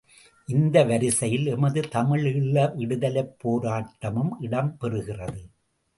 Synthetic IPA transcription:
ʔɪnd̪ɐʋɐɾɪsɐjɪlɛmɐðɯt̪ɐmɪɭɪɭːɐʋɪɽɯðɐlɐɪpːoːɾaːʈːɐmɯmʔɪɽɐmpɛrɯɣɪrɐðɯ

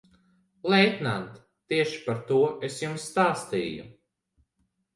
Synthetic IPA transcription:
lˠɛjt̪nant̪ː | iɛʃi̥paɾt̪uɔʔesjumsːt̪aːst̪ḭːjṵ

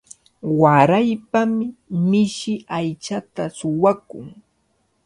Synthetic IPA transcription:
waɾajpamɪmɪʃɪajt͡ʃat̪asʊwakʊŋ

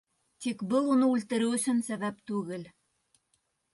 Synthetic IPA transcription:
t̪ikbɤlˠunɤʉlt̪ɘ̆ɾɘwɵ̆sɵ̆nsæβæpt̪ʉɡɘl

